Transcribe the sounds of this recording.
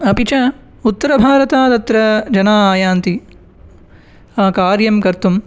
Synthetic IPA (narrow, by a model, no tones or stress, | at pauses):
ɐpit͡ʃɐ | ut̪ːɐɾɐbʱaːɾɐt̪aːt̪ɐt̪ːɾɐd͡ʒɐnaːaːjaːnt̪i | aːkaːɾjɐmkɐɾt̪um